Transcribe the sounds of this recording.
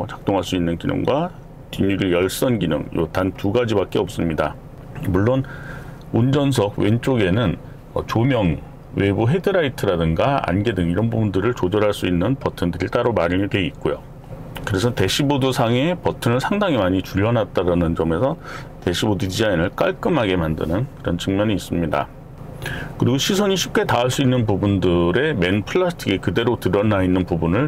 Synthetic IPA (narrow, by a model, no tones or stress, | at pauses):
t͡ɕḁk̚t͈oŋɦaɭs͈uinːɯnkinɯ̰ŋɡwa | tiɲuɡijʌɭs͈ʌnɡinɯ̰ŋjo̰tantuɡad͡ʑibak͈̚eʌp̚s͈ɯmɲida | muɭːon | und͡ʑʌnsʰʌɡ̚went͡ɕ͈oɡe̞nɯn | ʌ̰t͡ɕomjʌŋ | we̞buɦe̞dɯɾaitʰɯɾadɯŋɡaa̰nɡe̞dɯŋiɾʌnbubundɯɾɯɭt͡ɕod͡ʑʌɾɦaɭs͈uinːɯnpʌtʰɯndɯɾiɭt͈aɾomaɾɯmidwe̞it̚k͈ojo | kɯɾe̞sʰʌte̞ɕʰibodusʰaŋe̞pʌtʰɯnɯɭsʰaŋdaŋimaɲit͡ɕuʎːʌnat̚t͈aɾanɯnt͡ɕʌme̞sʰʌ | te̞ɕʰibodut͡ɕid͡ʑainɯɭk͈aɭk͈ɯmɦaɡe̞mandɯ̰nɯnkɯɾʌnt͡ɕʰɯŋmjʌɲiːs͈ɯmɲida̰ | kɯɾiɡoɕʰisʰʌɲiɕʰip̚k͈e̞taaɭs͈uinːɯnpubundɯɾe̞me̞npʰɯɭːasʰtʰiɡekɯde̞ɾotɯɾʌnainːɯnpubunɯɭ